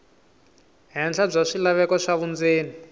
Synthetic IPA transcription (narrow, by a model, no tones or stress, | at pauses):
ɦɛnd͡ɮab͡ʐaʂilaβɛkɔʂaβund͡zeːni